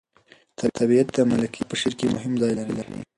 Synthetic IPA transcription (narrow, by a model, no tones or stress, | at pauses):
t̪ʰat̪ʰabiat̪̚d̪əmalakʰipəʃeɾkemʊ̰ɦɪmzɑjlaɾilaɾḭ